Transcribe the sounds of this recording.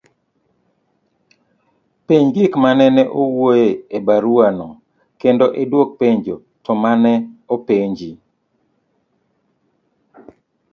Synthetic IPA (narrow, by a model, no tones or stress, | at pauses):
peɲɡɪkmanɛnɛʔowojeebaɾuanɔ | kendoʔedwok̚peɲd͡ʒo | tɔmanɛopeɲd͡ʒi